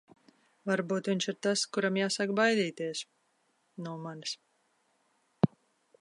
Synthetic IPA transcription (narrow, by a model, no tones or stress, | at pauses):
vaɾbuːt̪vʲiɲʲʃiɾt̪askuɾamjaːsakbajd̪iːt̪iɛs | nawmans